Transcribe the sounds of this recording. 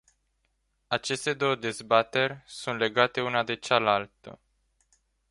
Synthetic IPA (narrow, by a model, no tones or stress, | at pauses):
at͡ʃe̞st̪e̞d̪o̞wəd̪e̞zbat̪e̞rʲsunt̪le̞ɡat̪e̞unad̪e̞t͡ʃalalt̪ə̰